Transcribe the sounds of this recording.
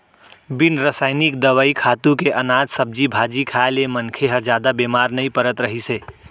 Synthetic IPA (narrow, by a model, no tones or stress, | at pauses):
binɾəsaːɪnikd̪əwaikʰat̪ũkeʔənad͡ʒsəb̚d͡ʒibʱad͡ʒikʰaelemənkʰeɦəd͡ʒjad̪abemaɾnəipəɾət̪ɾəɦise